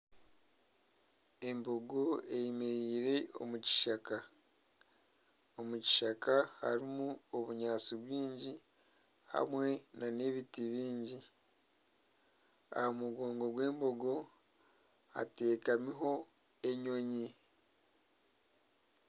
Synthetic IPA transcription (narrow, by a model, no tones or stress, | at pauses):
e̞mbo̞ɡo̞ejimiɾiːɾe̞o̞̰muci̥ʃaka | omuci̥ʃakaha̰ɾimuoβuɲaːt͡siβwiːɲɟi | ha̰mwe̞nane̞βitiβiːɲɟi | a̰homuɡo̞ːŋɡo̞ɡwe̞ːmbo̞ɡo̞ | a̰te̞ːkamiɦo̞ | e̞ɲo̞ɲi